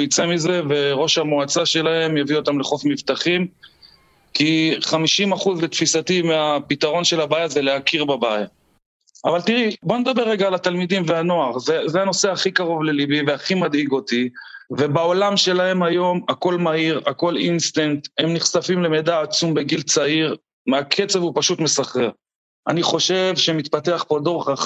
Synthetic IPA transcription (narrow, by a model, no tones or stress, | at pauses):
jit͡se̞mize̞ve̞ʁo̞ʃhamoat͡saʃe̞lahe̞mjavio̞t̪amleχo̞fmivt̪aχim | kiχamiʃimaχuzlet̪fisat̪imeapit̪aʁo̞nʃe̞labajazeleakiʁbabaja | avalt̪iʁibo̞ned̪abeʁːeɡaːlat̪almid̪imveano̞aʁzezeano̞se̞haχikaʁo̞vle̞libiveaχimad̪iɡo̞t̪ivebao̞lamʃe̞lahe̞majo̞mako̞lmaiʁako̞linst̪ent̪hemniχsafimle̞med̪aːt͡sumbe̞ɡilt͡saiʁ | makʰe̞t͡sevupaʃut̪me̞saχʁeʁ | ʔa̰niχo̞ʃe̞vʃemit̪pat̪e̞aχpo̞d̪o̞ʁeχaχ